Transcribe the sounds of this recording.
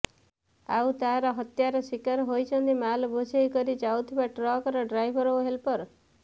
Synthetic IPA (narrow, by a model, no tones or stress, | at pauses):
a̰wt̪aɾɔɦɔt̪jaɾɔsikaɾɦojt͡ʃʰɔnt̪imalɔbosejkɔɾid͡ʒawt̪ʰibaʈɾɔkɔɾɔɖɾajbʱɔɾowɦelpɔɾ